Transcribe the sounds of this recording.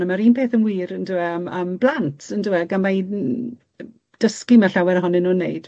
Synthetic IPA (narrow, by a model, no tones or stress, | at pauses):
nəmaɾiːnpʰeːθənwiːɾəndɪɛməːmblˠantʰəndɪwɛɡanmaj | d̥əskimaɬawɛɾəɦɔnɛnːuːnːḛjd̥